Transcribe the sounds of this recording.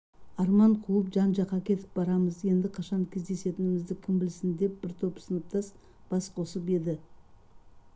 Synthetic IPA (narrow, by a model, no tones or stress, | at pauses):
ɑɾmɑɴqʰuəpʒɑnʒɑqːɑkʲʰe̞t̪ɪ̥p̚bɑɾɑməzje̞nd̪ɪqʰɑʃɑŋkʲʰe̞zd̪e̞se̞t̪ɪnɪmɪzd̪ɪkʲʰɪmbɪlsɪnd̪e̞p̚b̥ɪɾt̪ʰo̞psənəp̚t̪ʰɑs | b̥ɑsqʰo̞səpe̞d̪ɪ